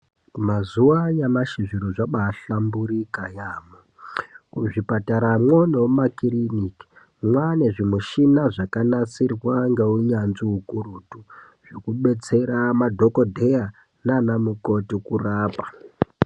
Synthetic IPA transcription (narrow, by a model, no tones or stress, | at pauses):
mazuajamaʃiʐiɾoʐaɓaːɬambuɾikajaːmo | kuʐipataɾamwonewomakiriniki̥ | mwaneʐimuʃinaʐakanat͡sirwaŋɡeuɲanziukurutu | ʐ̥okuɓe̞t͡se̞ɾamadʱokodʱeja | nanamuko̞tikuraːpa